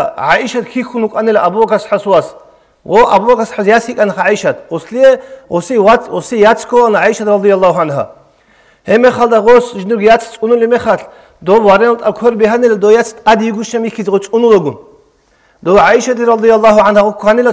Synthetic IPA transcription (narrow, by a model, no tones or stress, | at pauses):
ʕaʔiʃat̪kʰixunukʼanɛlaabubakʰasħasuwas | ʁɔʔabubakʰasħasjasikʼanaχaʕiʃat̪̚ʰʁɔslijɛʁɔsiaɔsijat͡sʰkʰɔanʕaiʃad̪ɾɑd̪ijalˠːaːhuʕanɦa̰ | hɛmɛχald̪aʁɔsʒnuɡjat͡sʰt͡sʼunulimɛχaɬ | d̪ɔwaɾɛnalt̪ʼakʰɔɾbɛɦanɛlad̪ɔjat͡sʰt̪ʼad̪jiɡuʃamikʰizʁɔt͡sʼunulɔɡun | d̪ɔʕaiʃat̪ʰiɾɑd̪ijalˠˤːɑːɦuʕanhaʁɔkʰanila